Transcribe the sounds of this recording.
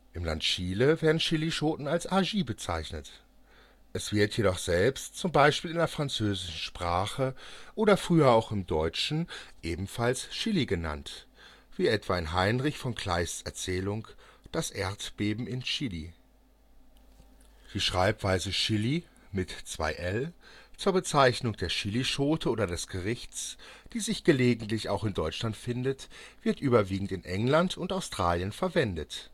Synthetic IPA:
ʔɪmla̰ntʃiːləveːɐdn̩ʃɪliʃoːtn̩alsʔaʒiːbət͡sa̰ɪçnət | ʔɛsv̥ɪɐtjeɾɔχz̥ɛlpstt͡sʊmbaɪʃpiːlɪndeɐfʁ̥ant͡søːzɪʃn̩ʃpʁ̥aːχəʔoːɾɐfʁ̥yːɐaʊxɪmdɔʏt͡ʃn̩ʔeːbm̩falsʃɪliɡəna̰nt | v̥iːʔɛtv̥aɪnɦaɪnʁɪçfɔnkʰl̥aɪst͡sɛɐt͡sɛːlʊŋd̥asʔeɐtb̥eːbm̩ɪnʃɪli | d̥iːʃʁ̥aɪpv̥aɪzəʃɪli | mɪtt͡sv̥a̰ɪʔɛlt͡suːɐbət͡saɪçnʊŋd̥eːɐʃɪliʃoːtʰəʔoːɾɐdɛsɡ̥əʁɪçt͡sd̥iːzɪçɡ̥əleːɡŋ̩tlɪça̰ʊxɪndɔʏt͡ʃlantfɪndətv̥ɪɐtʔyːbɐviːɡŋ̩tɪnʔɛŋlantʰʊntaʊstʁ̥aːljənfɛɐvɛndət

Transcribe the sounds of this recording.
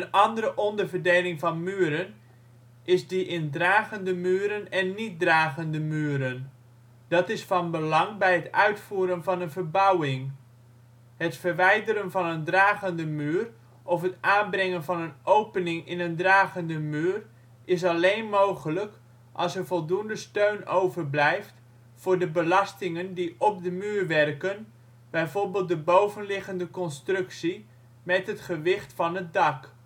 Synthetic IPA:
ənʔɑndəɾəʔɔndəɹvərdeːlɪŋvɑnmyːɾən | ɪzdiʔɪndraːɣəndəmyːɾənɛnːit̚draːɣəndəmyːəɾən | d̥ɑtɪsfɑnbəlɑŋbɛjɦətœɥtfuːɾənvɑnənvərbawɪŋ | hətfəɹʋɛjdəɾənvɑnəndraːɣəndəmyːr | ʔɔfɦətʔaːnbrɪŋənvɑnənowpənɪŋɪnəndraːɣəndəmyːr | ɪs̬ɑlejnmowχələk | ʔɑ̰lˠsəɹvɔlˠdundəstøɥnowvərblɛjft | fʊːɹdəbəlɑstɪŋəndiʔɔp̚dəmyːɹʋɛrkən | b̥ɛjvoɹbɪːlˠt̚dəbowvənlɪɣəndəkɔnstrɵksi | mɛtɦətχəʋɪχtfɑnɦət̚dɑk

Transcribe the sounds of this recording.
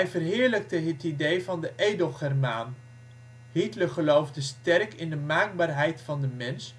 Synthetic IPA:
jvərɦɪːɹlək̚təɦətidejvɑndəʔejdəlˠχɛrmaːn | hitləχəlowvdəstɛrkɪndəmaːk̚baːɹɦɛjtfɑndəmɛns

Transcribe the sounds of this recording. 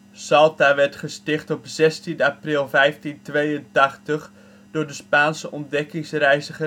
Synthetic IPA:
sɑlˠtaʋɛrtχəstɪχtɔpzɛstinaprɪlˠvɛjftintʋejəntɑχtəχ | d̥ʊːrdəspaːnsəʔɔndɛkɪŋsrɛjzəχə

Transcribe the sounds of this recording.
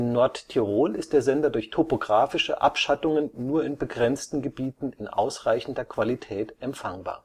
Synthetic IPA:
ʔɪmnɔɐttʰiʁoːlɪstd̥eːɐzɛndɐdʊɐçtʰopoɡʁaːfɪʃəʔapʃatʊŋənːuːɐɪnbəɡʁɛnt͡stn̩ɡəbiːtn̩ɪnʔa̰ʊsʁ̥aɪçn̩dɐkv̥alitʰɛːtʔɛmpfaŋba̰ːɐ

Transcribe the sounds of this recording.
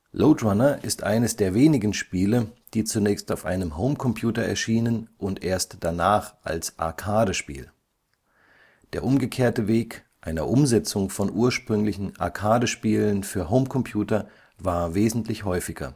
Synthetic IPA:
lʔoːtʁanɐʔɪstʔa̰ɪnəsd̥eːɐveːnɪɡn̩ʃpiːləd̥iːt͡sunɛːçstaʊfʔa̰ɪnəmɦoʊmkʰɔmpʰjuːtɐɛ̰ɐʃiːnənʔʊntʔeːɐstd̥anaːχʔa̰lsʔa̰ɐkʰaːdəʃpḭːl | d̥eːɐʔʊmɡəkʰeːɐtəveːkʔaɪnɐ̰ʔʊmzɛt͡sʊŋfɔnʔuːɐʃpʁ̥ʏŋlɪçn̩ʔa̰ɐkʰaːdəʃpiːlənfyːɐɦoʊmkʰɔmpʰj̥uːtɐ | vaːɐveːzn̩tlɪçhɔʏfɪɡ̥ɐ̰

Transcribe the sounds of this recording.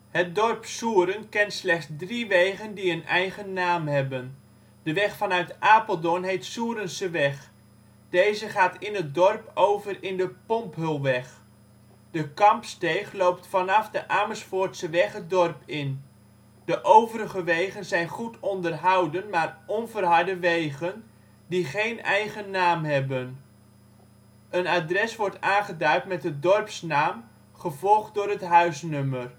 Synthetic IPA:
hət̚dɔrpsuːəɾənkɛntslɛχzdriʋejχəndiənɛjχənːaːmɦɛbən | dəʋɛχfɑnœɥtʔaːpəlˠdɔnɦejtsuːɾənsəʋɛχ | d̥ejzəχaːtɪnɦət̚dɔrpowvərɪndəpɔmpɦɵlˠʋɛχ | d̥əkɑmpstejχlowp̚tfɑnɑfdəʔaːməsfʊːɹtsəʋɛχɦət̚dɔrpɪn | dəʔowvəɾəχəʋejχənzɛjnχutɔndərɦɑwdənmaːrɔnvərɦɑɹdəʋejχən | diχejnɛjχənːaːmɦɛbən | ənaːdrɛsʋɔɹtaːnχədœɥtmɛt̚dədɔrpsnaːm | χəvɔlˠχtdʊːɾətɦœɥsnømər

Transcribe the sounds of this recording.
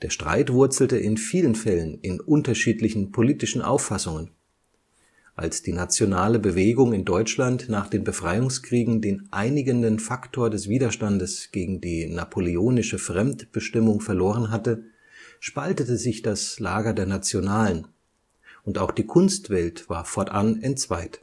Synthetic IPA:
d̥eːɐʃtʁ̥a̰ɪtv̥ʊɐt͡sl̩təʔɪnfiːlənfɛlənɪnʔʊntɐʃiːtlɪçn̩pʰoliːtɪʃn̩ʔa̰ʊfasʊŋən | ʔa̰lsd̥iːnat͡sjonaːləbəveːɡʊŋɪndɔʏt͡ʃlantnaːχd̥eːnbəfʁ̥aɪʊŋskʁ̥iːɡŋ̩deːnʔaɪnɪɡəndənfaktʰoːɐdɛsv̥iːdɐʃtandəsɡ̥eːɡŋ̩diːnapʰolioːnɪʃəfʁ̥ɛmtb̥əʃtɪmʊŋfɛɐloːʁ̞ənɦatə | ʃpaltətəzɪçd̥aslaːɡɐdeːɐnat͡sjonaːlən | ʔʊntaʊxd̥iːkʰʊnstv̥ɛltv̥aːɐfɔɐtʔanɛntt͡sv̥aɪt

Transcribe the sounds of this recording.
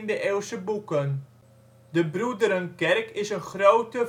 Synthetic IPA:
ndəʔeːlˠsəbukən | dəbrudəɾənkɛrkɪsənχrowtə

